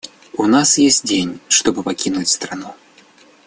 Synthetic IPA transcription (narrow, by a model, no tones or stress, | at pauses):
unasjesʲtʲd͡zʲenʲʂt̪ɔbɨpakʲinut͡sʲst̪ɾanu